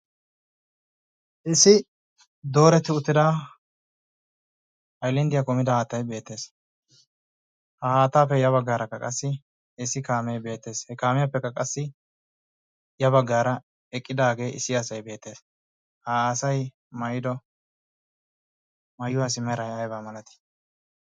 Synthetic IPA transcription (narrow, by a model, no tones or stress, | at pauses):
ʔɪsːɪ | d̪o̞ːɾɛt̪ːɪʊt̪ːɪd̪aː | ʔɐjlɪnd̪ɪjɐkʊmɪd̪ɐhaːt̪ːɐjbe̞ːt̪ːe̞ːs | hɐhaːt̪ːaːpːɛjɐβɐɡːaːɾɐkːɐkʼɐsːɪ | ɪsːɪkaːmejbe̞ːt̪ːe̞ːshɛkaːmɪjɐpːɛkːɐkʼɐsːɪ | jɐβɐɡːaːɾɐ | ɛkʼːɪd̪aːɡe̞ːʔɪsːɪɐsɐjbe̞ːt̪ːe̞ːs | haːsɐj | mɐjd̪ɔ | mɐjːʊwaːs̬ɪmɛɾɐjajbaːmɐlɐt̪ɪ̥